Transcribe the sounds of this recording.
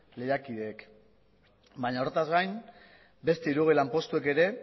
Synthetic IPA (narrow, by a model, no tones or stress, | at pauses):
le̞jakiðe̞ːk | baɲaoɾet̪azɡajn | be̞st̪e̞iɾuɣ̞ilampo̞st̪ueke̞ɾe̞